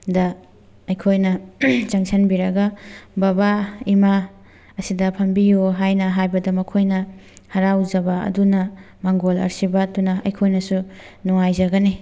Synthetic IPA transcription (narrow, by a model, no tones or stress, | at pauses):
dɐ | ɐjkʰojnɐt͡ʃɐŋsʰenbiɾɐɡɐbabaima | ɐsidɐpʰɐmbijoɦajnɐɦajbɐdɐmɐkʰojnɐhɐɾawzɐbaɐ̰dunɐ | maŋɡolɐ̰ɾsibɐtunɐʔɐjkʰojnɐsunuŋajzɐɡɐni